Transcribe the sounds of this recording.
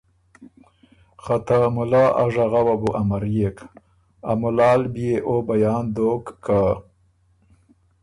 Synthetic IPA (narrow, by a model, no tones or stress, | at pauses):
χat̪amʊlɑːʔa̰ʐaɣawabuʔamaɾjek | a̰mʊlɑːlbjeʔobajɑːnd̪oːkːa